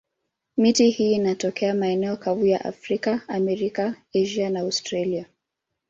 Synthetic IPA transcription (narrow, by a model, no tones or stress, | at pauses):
mitihiːnatɔkʰɛamaɛnɛɔkavuja̰ʔa̰fɾikaamɛɾikaeʒianaaʊstɾalia